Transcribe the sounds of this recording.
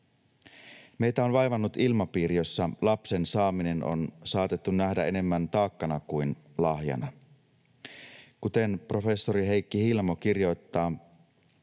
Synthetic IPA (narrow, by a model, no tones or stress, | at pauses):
me̞jt̪æo̞nʋɑjʋɑnːut̪ilmɑpiːɾijo̞sːɑlɑpse̞nsɑːmine̞nʔo̰nsɑːt̪et̪ːunːæhdæe̞ne̞mːænt̪ɑːkːɑnɑkujn | lɑhjɑ̰nɑ | kut̪e̞npro̞fe̞sːo̞ɾiɦe̞jkːihilmo̞k̟irjo̞jt̪ːɑː